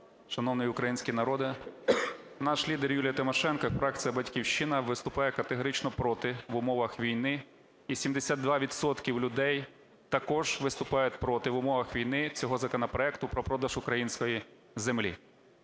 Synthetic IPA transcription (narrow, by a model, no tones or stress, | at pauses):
ʃɐnɔwnɪjiʊkɾɐjinʲsʲkʲinɐɾɔd̪ɪ | nɑʃlʲid̪erjulʲijɐt̪ɪmɔʃɛnkɔfɾɛk̚t͡sʲijɐbɐtʲkʲiwʃt͡ʃɪnɐʋɪst̪ʊpɑjɛkɐt̪eɦɔɾɪt͡ʃnɔpɾɔt̪ɪʋʊmɔʋɐxʋʲijn̪ɪ | isʲimd̪esʲad̪̚d̪ʋɑʋʲid̪sɔt̪kʲiwlʲʊd̪ɛj | t̪ɐkɔʒ̥ʋɪst̪ʊpɑjʊt̪̚ʲpɾɔt̪ɪʋʊmɔʋɐxʋʲijnɪt͡sʲɔɦɔzɐkɔnɐpɾɔɛkt̪ʊpɾɔpɾɔd̪ɐʒʊkɾɐjinʲsʲkɔji | zemlʲḭ